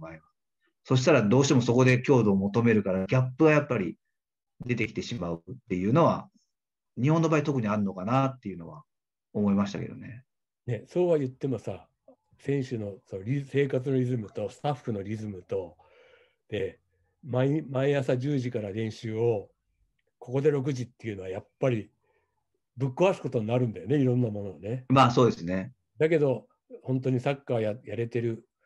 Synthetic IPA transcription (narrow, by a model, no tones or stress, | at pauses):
baima | so̞ɕ̬i̥t̪aɾad̪o̞ːɕi̥t̪emo̞so̞ko̞d̪e̞kʲo̞ːd̪o̞ːmo̞t̪o̞me̞ɾɯ̟kaɾaɡʲapːɯ̟ɡajapːaɾʲi | d̪e̞t̪ekʲi̥t̪e̞ɕimaɯt̪ːe̞jɯ̟ːno̞βa̰ | ɲ̟ihõnːo̞baːit̪o̞kɯ̟ɲ̟iaɾɯnokanat̪ːe̞jɯ̟no̞βa | omo̞imaɕi̥t̪a̰ke̞̰o̰ne̞ | ne̞so̞ːβajɯ̟t̪ːe̞mo̞sa | sẽ̞ɰ̃ɕɨno̞sooɾʲise̞ːkat͡sɨno̞ɾʲizɨmɯ̟t̪o̞sɨ̥t̪aɸːɯ̟no̞ɾʲizɨmɯ̟t̪o̞ | d̪̥e̞ | maimaeasaʑɨːʑikaɾad̪ẽ̞ɰ̃ɕɨːo̞ | ko̞ko̞d̪e̞ɾo̞k̬ɯ̟ʑit̪ːe̞iɯ̟no̞βajapːaɾʲi | bɯ̟kːoβasi̥ko̞t̪o̞ɲ̟inaɾɯ̟̃nd̪ajo̞ne̞iɾõ̞nːamo̞no̞βane̞maːso̞ːd̪e̞sɨne | d̪ake̞d̪o̞ | hõ̞nt̪̬o̞ɲ̟isakːajajaɾe̞t̪e̞ɾɯ̟